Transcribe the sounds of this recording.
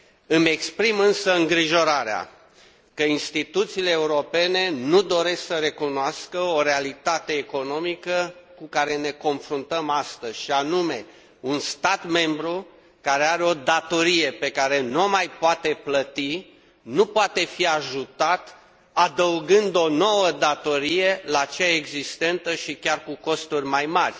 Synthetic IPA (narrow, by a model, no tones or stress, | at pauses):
ɨme̞kspɾimɨnsəɨŋɡɾiʒo̞ɾaɾea̰ | kəinst̪it̪ut̪siːle̞ːuɾo̞pe̞ne̞nud̪o̞ɾe̞sksəɾe̞kunoaskəoɾealit̪at̪e̞ːko̞no̞mikəkukaɾe̞ne̞ko̞nfɾunt̪əmast̪əzʲʃianume̞ | unst̪at̪me̞mbɾu | kaɾe̞aɾeo̞d̪at̪o̞ɾije̞pe̞kaɾe̞nomajpoat̪e̞plət̪i | nupoat̪e̞fiaʒut̪at̪ | ad̪əuɡɨnd̪o̞no̞wəd̪at̪o̞ɾije̞lat͡ʃeaeɡzist̪e̞nt̪əʃikʲarkuko̞st̪urʲmajmarʲ